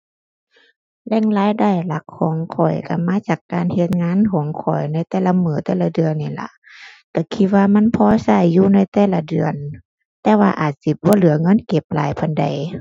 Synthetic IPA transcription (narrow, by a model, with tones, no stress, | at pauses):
lɛː˧˥˨ŋlaː˧˥˨jda˧˩˨jla˧˦k̚ʰːɔː˨˦ŋkʰɔ˨˩jka˧˩maː˧˥˨t͡ɕaː˨˩kːaː˨nhe˧˦t̪̚ŋaː˧˥˨nkʰɔː˨˦ŋkʰɔ̰˨˩jna˧˩˨jt̪ɛː˧˩la˧mɯː˨˩t̪ɛː˧˩la˧˩dɯ˨ənːi˧˩la̰˧˦ʔ | t̪ɛː˧˩kʰi˧waː˧ma˧˥˨npʰɔː˧sa˧˩˨jːuː˧na˧˥˨jt̪ɛː˧˨la˧dɯ˨˩ən | t̪ɛː˧waː˧ʔaː˨˩t̪̚si˧˦bɔː˧˦lɯ˨˩˦ɐŋɤ˧˥˨nke˧˦p̚la̰ː˨˦jpʰa˧˨nda̰˨˩j